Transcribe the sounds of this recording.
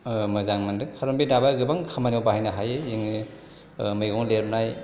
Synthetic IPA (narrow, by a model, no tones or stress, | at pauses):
mɯzaŋmɯndɯkʰaɾombidabaɡɯbaŋkʰamanawbahajnaɦajeziŋ | mɯjɡɔŋleɾp̚naj